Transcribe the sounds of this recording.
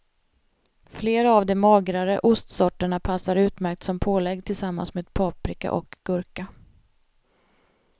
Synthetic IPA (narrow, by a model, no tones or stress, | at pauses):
fleːɾaːvd̪ɛmɑːɡɾaɾə̰ʔʊst̪sɔʈːəɳapʰasːaɾʉ̟ːt̪mæɾk̚t̪sɔmpʰoːlɛɡːt̪ʰɪlsamːa̰nsmeːd̪̚pʰɑːpɾɪka̰ʔɔ̰kɡ̥ɵɾka